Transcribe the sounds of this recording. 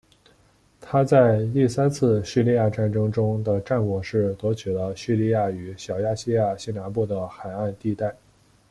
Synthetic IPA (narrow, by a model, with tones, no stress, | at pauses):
t̪ʰa˥t͡sa˥˧ɪt̪i˥˩sa˥nt͡sʰɹ̩˥˧ɕy˥˧li˥˧ja˥˧ʈ͡ʂa˥nʈ͡ʂɤ˥ŋʈ͡ʂʊ˥ŋd̪ə˨ʈ͡ʂa˥˩nkwɔ˨˩ʂɻ̩˥˩t̪wɔ˧˥t͡ɕʰy˨˩lə˦ɕy˥˧li˥˧ja˥˩y˧˥ɕjɑ˨˩ʊja˥˧ɕi˥˧ja˥˩ɕi˥na˧˥npu˥˩d̪ə˩xa˨˩ɪa˥˧nt̪i˥˧t̪a˥˩ɪ